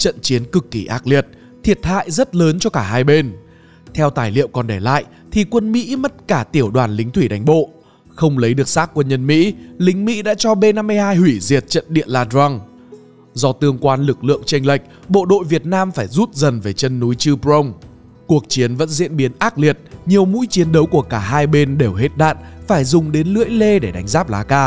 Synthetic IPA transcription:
t͡ɕə̰˧˨nt͡ɕi˨˦ənkɨ˨˩kːi˧˩ʔaː˦˥k̚li˨˩ət̚ | t̪ʰi˨˩ət̚ha̰ː˧˨jzə˦˥t̚ləː˨˦nt͡ɕɔ˧kaː˧˩ɦaː˧jɓe˧n | t̪ʰɛ˧wt̪aː˧˩jlḭ˧˨əwkɔ˨˩nɗe˧˩la̰ː˧˨jʔ | t̪ʰi˨˩kwə˧nmḭ˧˥mə˦˥t̚kaː˧˩t̪i˧˩əwɗwaː˨˩nlï˨˦ŋ̟t̪ʰwi˧˩ɗa˨˦jŋ̟ɓo̰˧˨ | xə˧wŋ͡mlə˨˦jɗɨ˨˩ək̚saː˦˥k̚ːwə˧nɲə˧nmḭ˧˥lï˨˦ŋ̟mḭ˧˥ɗa̰ː˧˥t͡ɕɔ˧ɓe˧na˧mːɨ˧jhaː˧jhwi˧˩zi˨˩ət̚t͡ɕə̰˧˨nɗḭ˧˨ənlaː˧ɗza˧ŋ | zɔ˧t̪ɨ˧əŋkwaː˧nlɨ˨˩k̚lɨ̰˧˨əŋt͡ɕa˧ŋ̟la˨˩jk̟̚ | ɓo̰˧˨ɗo̰˧˨jvi˨˩ət̚naː˧mfaː˧˩jzu˦˥t̚zə˨˩nve˨˩t͡ɕə˧nːu˨˦jt͡ɕɨ˧pzə˧wŋ͡m | ku˨˩ək̚t͡ɕi˨˦ənvə̰˧˥nzḭ˧˥ənɓi˨˦ənʔaː˦˥t̚li˨˩ət̚ɲi˨˩əwmṵ˧˥jt͡ɕi˨˦ənɗə˨˦wku˧˩əkaː˧˩ɦaː˧jɓe˧nɗe˨˩wɦe˦˥t̚ɗa̰ː˧˨nfaː˧˩jzʊ˨˩ŋ͡mɗe˨˦nlɨ̰˧˥əjle˧ɗe˧˩ɗa˨˦jŋzaː˦˥p̚la̰ː˨˦kaː˧

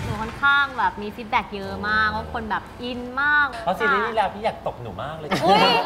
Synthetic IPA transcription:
nuː˨˦˩kʰɔ˥nkʰaː˥˩ŋbɛː˨˩p̚miː˧si˦˥t̪̚bɛː˨˩k̚jɤː˧maː˥˩k̚wa˦˥kʰo˧nbɛː˨˩p̚ʔi˧nmaː˥˩k̚ʰɔ˦˥siː˧iː˦˥niː˦˥˩lɛː˧wp̪ʰiː˥˩jaː˨˩k̚t̪o˨˩k̚nuː˩˦maː˥˩k̚lɤː˧˩u˧˥˩

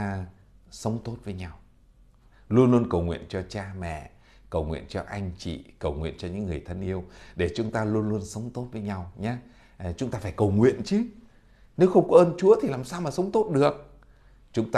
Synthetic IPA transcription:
sə˨˦wŋ͡mt̪o˦˥t̚vəː˨˦jɲa˧w | lu˧ənlu˧ənkə˨˩wŋwḭ˧˨ənt͡ɕɔ˧t͡ɕaː˧mɛ̰˧˨ | kə˨˩wŋwḭ˧˨ənt͡ɕɔ˧ʔa˧jŋ̟t͡ɕḭ˧˨kə˨˩wŋwḭ˧˨ənt͡ɕɔ˧ɲɨ̰ː˧˥ɨ˨˩əjt̪ʰə˧nʔi˧əwɗe˧˩t͡ɕʊ˨˦ŋ͡mt̪aː˧lu˧ənlu˧ənsə˨˦wŋ͡mt̪o˦˥t̚vəː˨˦jɲa˧wɲaː˧ | t͡ɕʊ˨˦ŋ͡mt̪aː˧faː˧˩jkə˨˩wŋwḭ˧˨ənt͡ɕɨ˨˦ | ne˨˦wxə˧wŋ͡mkɔ˨˦ʔəː˧nt͡ɕu˨˦ət̪ʰi˨˩laː˨˩msaː˧wmaː˨˩sə˨˦wŋ͡mt̪o˦˥t̚ɗɨ˨˩ək̚ | t͡ɕʊ˨˦ŋ͡mt̪a˧

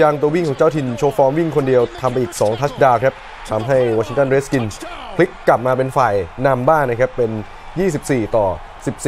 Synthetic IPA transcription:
jaː˧ŋt̪u˧wi˥˩ŋkʰɔː˩˦ŋt͡ɕa˥˩wt̪ʰi˧nt͡ɕʰoː˧fɔː˦˥mwi˥˩ŋkʰo˧ndi˧əwt̪ʰa˧mpa˧jʔiː˨˩k̚sɔː˩˦ŋt̪ʰa˦˥daː˧kʰɾa˦˥p̚ | t̪ʰa˧mɦa˥˩jwɔː˧t͡ɕʰi˧ŋt̪a˧˥˩nɾe˦˥ski˧nkʰli˦˥kːa˨˩p̚maː˧p̬e˧nfaː˨˩jna˧mbaː˥˩ŋna˦˥kʰɾa˦˥pːe˧n | jiː˥˩s̬i˨˩p̚siː˨˩t̪ɔː˨˩ | si˨˩p̚s

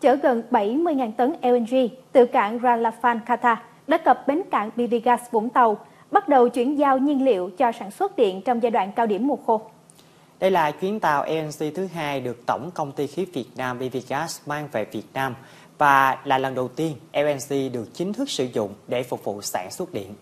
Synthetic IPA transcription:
t͡ɕəː˧˩ɣə˨˩nɓa˧˩jmɨ˧jŋaː˨˩nt̪ə˨˦nʔɛ˧ɛ˧nzi˧t̪ɨ˧˩ka̰ː˧˩ŋzaː˧laː˧faː˧nkaː˧t̪aː˧ | ɗa̰ː˧˦kə˨˩p̚ɓe˨˦nka̰ː˧˨ŋɓi˧vi˧ɣaː˦˥sɓo̰˧˩nt̪ə˨˩w | ɓa˦˥t̚ɗə˨˩wt͡ɕwi˧˩ənzaː˧wɲi˧ənlḭ˧˨əwt͡ɕɔ˧saː˧˩nswə˦˥t̚ɗḭ˧˨ənt͡ɕɔ˧wŋ͡mzaː˧jɗwa̰ː˧˨nkaː˧wɗi˧˩əmːu˨˩ət̚xo˧ | ɗə˧jlaː˨˩t͡ɕwi˨˦ənt̪a̰ː˧˨wʔɛ˧ʔɛ˧nsi˧t̪ʰɨ˨˦ɦaː˧jɗɨ˨˩ək̚t̪ə˧˩wŋ͡mkə˧wŋ͡mt̪i˧xi˨˦vi˨˩ət̚naː˧mɓi˧vi˨˧ɣaː˦˥smaː˧ŋvḛ˧˩vi˨˩ət̚naː˧m | vaː˨˩laː˨˩lə˨˩nɗə˨˩wt̪i˧ənʔɛ˧ʔɛ˧nsi˧ɗɨ˨˩ək̚t͡ɕï˨˦ŋt̪ʰɨ˦˥k̚sɨ̰˧˩zʊ̰˧˨ŋ͡mɗe˧˩fʊ˨˩k͡p̚vṵ˧˨sa̰ː˧˩nswə˦˥t̚ɗḭ˧˨ənʔ

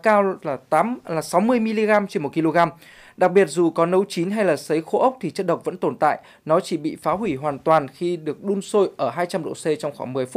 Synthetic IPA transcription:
kaː˧wlaː˨˩t̪aː˨˦mlaː˨˩sa˨˦wmɨ˧əjmi˧li˧ɣaː˧mt͡ɕe˧nmo˨˩t̚ki˧lo˧ɣaː˧m | ɗa˨˩k̚ɓi˨˩ət̚zu˨˩kɔ˨˦nə˨˦wt͡ɕi˨˦nɦa˧jlaː˨˩sə˨˦jxo̰˧˥ʔə˦˥wk͡p̚t̪ʰi˨˩t͡ɕə˦˥t̚ɗə˨˩wk͡p̚və̰˧˥nt̪o˧˨˩nt̪a̰ː˧˨j | nɔ˨˦t͡ɕi˧˩ɓḭ˧˨faː˨˦ɦwi˧˩ɦwaː˨˩nt̪waː˨˩nxi˧ɗɨ˨˩ək̚ɗu˧nso˧jʔəː˧˩ɦaː˧jt͡ɕa˧mɗo̰˧˨se˧t͡ɕɔ˧wŋ͡mxwaː˧˩ŋmɨ˨˩əjfu˦˥

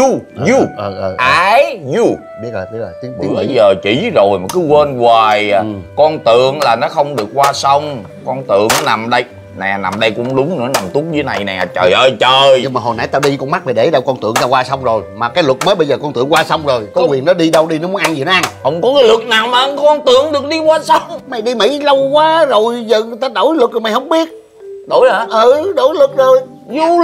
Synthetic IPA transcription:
u˧u˧ʔəː˨˩ʔːʔaː˧˦jzu˧˩ | ɓi˦˥ət̚ləː˨˩t̪i˧laː˨˩t̪i˨˦ŋ˨˦˨ɓə˧jzəː˨˩t͡ɕi˧˦zo˨˩jma˨˩kɨ˨˦ɣwə˧nɣwaː˨˩jkɔ˧nt̪ɨ˨əŋlaː˨˩nɔ˨˦xə˧wŋ͡mɗɨ˨˩ək̚kwaː˧sə˧wŋ͡m | kɔ˧nt̪ɨ̰˨˧˨əŋ˦na˨˩mɗə˧j | nɛ˨˩na˨˩mɗə˧jkʊ̰˧˥˦ŋ͡mɗʊ˨˦ŋ͡mnɨ̰˧˥əna˨˩mt̪u˦˥ət̚zɨ˧˦na˨˩jnɛ˨˩˨t͡ɕəː˨˩jʔəː˧˩jt͡ɕəː˨˩jɲɨ˧ŋmaː˨˩ɦo˨˩jna˧˦jt̪aː˧wɗi˧kɔ˧nma˦˥ɗe˨˩ɗe˧˩˦ɗa˧˩wkɔ˧nt̪ɨ̰˧˨əŋt̪aː˧kwaː˧sa˧wŋ͡mzo˨˩jmaː˨˩kaː˨˦jlwə˨˩t̚mə˨˦jɓə˧jzəː˨˩kɔ˧nt̪ɨ̰˨˧˨əŋkwaː˧sa˧wŋ͡mzo˨˩jkɔ˨˦kwi˨˩ənɔ˨˦ɗi˧ɗə˧wɗi˧nɔ˨˦mu˨˦ŋʔa˧nzi˨˩nɔ˨˦ʔa˧nhə˧wŋ͡mkɔ˨˦kaː˨˦jlɨ˨˩t̚naː˨˩wmaː˨ʔə˧ŋ˧kɔ˧nt̪ɨ˧˨əŋɗɨ˨˩ək̚ɗi˧kwaː˧sə˧wŋ͡mma˨˩jɗi˧mḭ˧˥˦lə˧wkwaː˨˧˦zo˨˩jzə˨˩t̪aː˧ɗo˧˩˦jlɨ˨˩k̚zo˨jma˨˩jhə˧˦wŋ͡mɓi˦˥ət̚ | ɗo˧˩˦jəː˨˦ʔə˨˧˩ɗo˧˩˦jlɨ˨˩k̚zo˨˩j | zu˧

